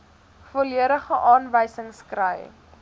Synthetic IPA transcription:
foliəɾəχəʔɑːnvəjsəŋskrəj

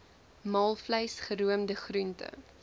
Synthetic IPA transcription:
mɑːlˠfləjsχəɾuəmdəχruntə̰

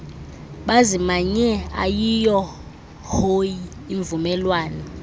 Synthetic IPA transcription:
ɓazimaɲɛa̰jijɔ | hojiː | ɱvumɛlwaːnɔ

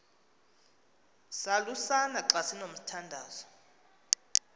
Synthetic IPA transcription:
salusanaǃasinom̩tʰandʱaːz̥ɔ

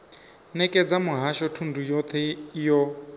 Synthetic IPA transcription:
nɛkʼɛd͡zamuɦaʃɔtʰundʱujɔt̪ʰɛjɔ

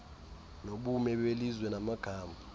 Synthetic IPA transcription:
noɓumɛɓelizwɛnamaɡ̥ʱaːma

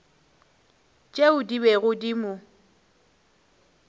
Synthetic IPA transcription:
t͡ʃʼeʊdibeɣʊdimʊ

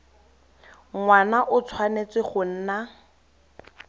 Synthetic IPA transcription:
ŋwanaʔʊt͡sʰwanet͡swɪχʊn̩ːna

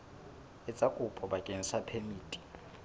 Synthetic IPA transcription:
ɛt͡sʼakʼupʰɔɓakʼeŋisapʰemiːtʼi̥

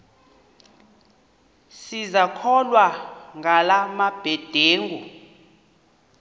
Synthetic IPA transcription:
sizakʰɔlwaŋɡalamab̥ʱɛd̥ʱeːŋu

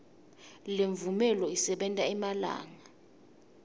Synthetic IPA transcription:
leɱvumɛlɔisɛɓɛntʼaɛmala̰ːŋa

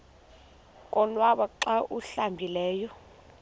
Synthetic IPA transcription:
kʼɔlwaɓaǁaʔuɬambʱilɛːjɔ

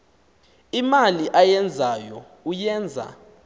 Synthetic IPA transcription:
imaliʔajɛnd͡zʱajɔ | ujɛːnd͡zʱa̰

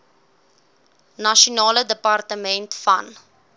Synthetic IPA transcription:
nɐʃonɑːlədəpartəmɛntfɐ̰n

